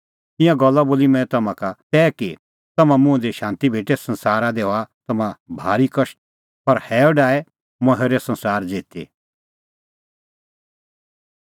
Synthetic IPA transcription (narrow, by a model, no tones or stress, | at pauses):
ɪ̃jãɡɔlːaboːlimɛ̃ːt̪ɐmãkat̪ɛːki | t̪ɐmãmʊ̃d̪iʃãːnt̪ibʱeːʈesɐnsaːɾad̪eːoat̪ɐmãbʱaːɾikɐʃ | pɐɾhɛːoɖaːɛ | mɐɦeɾesɐ̃nsaːɾd͡ʒeːt̪ḛː